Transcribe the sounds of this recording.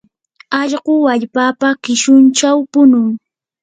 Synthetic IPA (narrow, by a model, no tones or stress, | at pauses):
ɑʎɢʊwaʎpaːpakɪʃʊnt͡ʃawpʊnʊŋ